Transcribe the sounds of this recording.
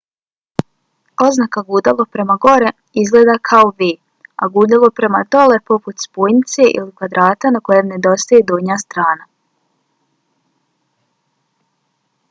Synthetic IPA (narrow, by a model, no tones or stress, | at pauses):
o̞znakaɡuːd̪alopɾe̞maɡo̞ɾe̞ | izɡleːd̪akʰaoʋeː | a̰ɡuːd̪alopɾe̞mad̪o̞le̞po̞put̪spoːjnit̪se̞ʔḭlikʋad̪ɾaːt̪anako̞jemne̞d̪o̞st̪ajed̪oːɲast̪ɾaːna